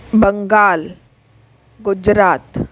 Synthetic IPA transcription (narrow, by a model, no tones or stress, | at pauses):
bəŋɡaːl | ɡʊd͡ʒɾaːt̪